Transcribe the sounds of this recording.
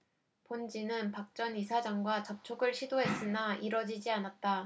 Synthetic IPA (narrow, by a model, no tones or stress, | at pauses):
pond͡ʑinɯnpak̚t͡ɕ͈ʌnisʰad͡ʑaŋɡwat͡ɕʌp̚t͡ɕʰoɡɯɭɕʰidoɦe̞s͈ɯnaiɾʌd͡ʑid͡ʑianat̚t͈a